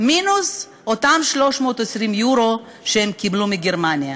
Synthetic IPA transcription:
minus | ot̪amʃlo̞ʃmo̞ːt̪esʁimjuɾo | ʃehemkiblumiɡeɾmanija

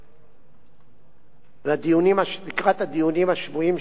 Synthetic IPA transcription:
vad̪ijunimalikʁat̪had̪ijunimhaʃvuim

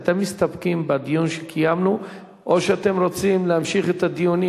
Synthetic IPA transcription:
t̪e̞mːist̪apkimbad̪ijunʃekʰijamnu | ʔo̞ʃeat̪e̞mʁo̞t͡simleamʃiχet̪ad̪ijuni

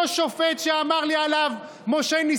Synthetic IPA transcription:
ʃofet̪ʃeamaʁlialav | moʃeni

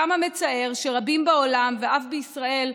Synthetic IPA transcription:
amame̞t͡sae̞ʁʃe̞ʁabimbao̞lamveafbeisʁae̞l

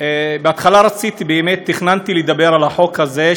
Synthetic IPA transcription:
beat̪χalaʁat͡sit̪ibeːmet̪ːiχnant̪iled̪abe̞ʁalaħo̞khaze̞

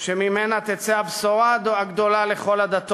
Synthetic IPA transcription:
ʃemimenat̪et͡seavsoʁad̪oaɡd̪o̞lale̞χo̞lad̪at̪o

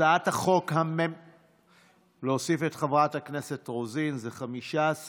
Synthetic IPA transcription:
aathaχo̞khamem | leosifetχavʁathakne̞se̞tʁozinzeχamiʃas

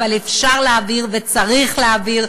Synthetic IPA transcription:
valefʃaʁleaviʁvet͡saʁiχleaviʁ

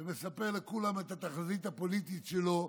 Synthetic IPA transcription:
me̞sapeʁlekulame̞t̪at̪aχazit̪hapo̞lit̪it̪ʃelo̞

